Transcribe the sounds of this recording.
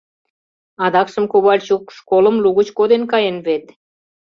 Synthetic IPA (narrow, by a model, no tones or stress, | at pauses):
ɑd̪ɑkʃəmkoβɑlʲt͡ɕukʃkolə̆mluɣət͡ɕkod̪enkɑjenβet̪